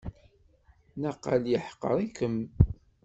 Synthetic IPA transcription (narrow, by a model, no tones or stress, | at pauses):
nəqːə̰ljəħqːə̰ɾˤikəm